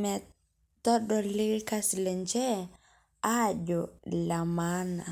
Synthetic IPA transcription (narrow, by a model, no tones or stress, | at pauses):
mɛ | tɔɗɔliɾkaslɛɲd͡ʒɛ | ad͡ʒɔlamana̰